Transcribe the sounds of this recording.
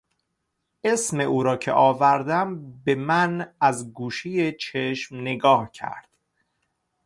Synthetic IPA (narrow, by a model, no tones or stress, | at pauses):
ʔesme̞ʔuːɾɒːcʰḛʔɒːvæɾd̪æmbe̞mænæzɡuːʃijet͡ʃʰeʃmneɡɒːhcʰæ̰ɾd̪̥